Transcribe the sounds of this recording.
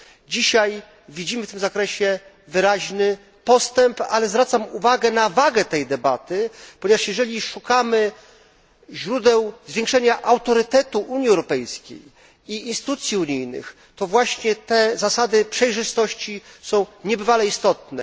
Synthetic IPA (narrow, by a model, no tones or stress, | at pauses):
d͡ʑiɕaj | vʲid͡ʑimɘft̪ɘmzakɾɛɕɛ | vɘɾaʑnɘ | pɔst̪ɛmpa̰lɛzvɾat̪samuvaɡɛnavaɡɛt̪ɛjd̪ɛbat̪ɘpɔɲɛvaʂjɛʐɛlʲiʂukamɘ | ʑɾud̪ɛwzvʲjẽŋkʂɛɲaʔawt̪ɔɾɘt̪ɛt̪uʔuɲjiɛwɾɔpɛjskʲḛj | iinst̪ɘ̥t̪ut̪sʲjiuɲijnɘ̰x | t̪ɔvwaɕɲɛt̪ɛzasad̪ɘpʂɛjʐɘst̪ɔɕt͡ɕisɔ̃w̃ɲɛbɘvalɛist̪ɔt̪nɛ